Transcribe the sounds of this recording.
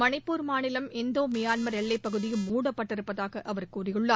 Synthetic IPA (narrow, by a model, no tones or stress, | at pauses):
mɐnɐɪpːuːɾmaːnɪlɐmɛnd̪oːmɪjaːnmɐɾɛɭːɐɪpːɐɣɯðɪjɯmuːɽɐpːɐʈːɪɾɯpːɐðaːɣɐʔɐʋɐɾkuːrɪjɯɭːaː